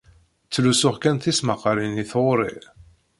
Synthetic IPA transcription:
t͡sːlusʊχkænθisməqːɾiniθoɾˤḭ

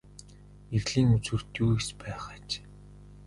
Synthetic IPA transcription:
eɣɮiːŋut͡swɘ̆r̥t̪juːikspæːχaːt͡ɕ

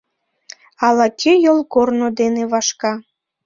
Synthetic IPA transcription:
ɑlɑkʲʰejolˠkornod̪eneβɑʃkɑ

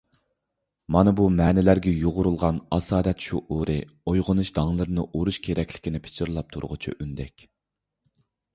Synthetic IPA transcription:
mɑnɨbumɛːnɪlæɾɡʲɛjoʁʊɾulˠʁɑnɑsɑːd̪ɛt̪ʃuʔoɾɨ | ojʁʊnɨʃd̪̥ɑŋlˠɨɾɨnɨʔoɾuʃkʲʰeɾɛkʲlɪ̥kʲinɪpʰɪ̥t͡ʃʰiɾlˠɑp̚t̪ʰṵɾ̰ʁʊt͡ʃʰṵʔynd̪ɛkʲ

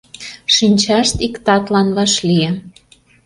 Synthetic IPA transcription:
ʃinʲt͡ɕɑʃt̪ikt̪ɑt̪lɑnβɑʃlʲiĕ

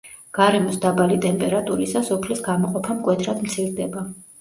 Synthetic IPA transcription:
ɡ̥aɾɛmɔsd̪abalit̪ʼɛmpʼɛɾat̪ʼuɾisasɔpʰlisɡamɔqʼɔpʰamkʼwɛt̪ʰɾad̪mt̪sʰiɾd̪ɛba

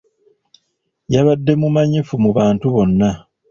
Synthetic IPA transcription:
jaβadːe̞mumaɲifumuβaːntuβo̞nːa

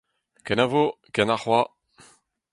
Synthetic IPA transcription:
kɛnavo | kɛnaχwa

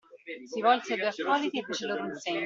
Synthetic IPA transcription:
sivɔlsed̪ujakːɔd̪it̪iefːeːt͡ʃeloːɾoinseɲː

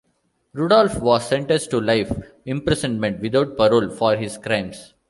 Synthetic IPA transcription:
ɾuɖɔːlfʋɔːssɛ̃ɳʈəsʈulaɪf | ɪ̃mpɾɛsə̃nmẽɳʈʋɪd̪aʊʈ̚pɐɾoːlfɔːɾɦɪskɾãɪ̃ms

